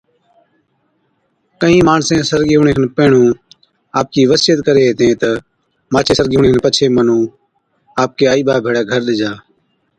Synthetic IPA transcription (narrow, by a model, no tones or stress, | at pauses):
kəĩːmaːnsẽːsəɾɡɪuːɳẽːkənpeːɳũː | aːp̚kiːʋəsɪjət̪kəɾeːɦeːt̪ẽːt̪ə | maːt͡ʃʰeːsəɾɡɪuːɳẽːnpət͡ʃʰeːmənũː | aːp̚keːaːiːɓaːbʱeːɽeːɡʱəɾɗɪd͡ʒaː